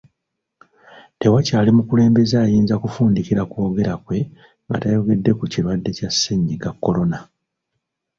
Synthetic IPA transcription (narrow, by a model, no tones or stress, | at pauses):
te̞wacaːlimukule̞ːmbe̞zaːjiːnzakufuːndiciɾakwo̞ːɡe̞ɾakwe̞ | ŋɡa̰tajo̞ɡe̞dːe̞kuciɾwadːe̞casːeɲːiɡakːo̞lo̞na